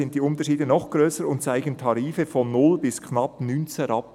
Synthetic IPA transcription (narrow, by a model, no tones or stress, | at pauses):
ɪnt̚d̥iːʊntəʃiːdənɔχɡ̥ɾøːsəɾʊntt͡saɪɡən̩tʰɑɾiːfəfɔnːʊlbɪskʰnɑpnyːnt͡sɛɾɑp̚